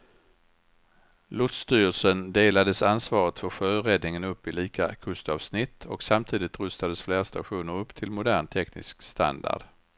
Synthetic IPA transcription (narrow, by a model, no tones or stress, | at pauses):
lʊt̪st̪yːɾəlsənd̪eːlad̪əsansvɑːɾət̪fœɾɧøːɾɛd̪nɪŋənɵpːɪliːkʰakʰɵst̪ɑːvsnɪt̪ʰːɔksamt̪ʰiːd̪ɪt̪ɾɵst̪ad̪əsfleːɾst̪aɧuːnəɾɵpːt̪ʰɪlmʊd̪æːɳt̪ʰɛknɪ̰skst̪a̰nd̪a̰ɖ̥